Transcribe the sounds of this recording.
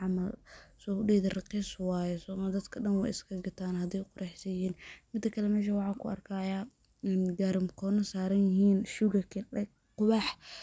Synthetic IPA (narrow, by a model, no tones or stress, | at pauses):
ʕɑmɐlsɔɖiːðɐrɑqiːswɑːjɛsɔːmɐd̪ɐd̪kʰɐɖɐnwɑɪ̰skʰɐɡɐt̪ʰaːnhɐd̪ɛjqʊɾʔɑħsɐjhiːnmɪd̪ːɐkʰɐlɛmɛːʃ̬ɐwɑħɑːkʰʊɐ̰rkʰajaː | nɡaɾɪmkʰɔːnɐsaːɾɐnjɪɦiːnʃuɡɐkʰɛ | qʊβɑħ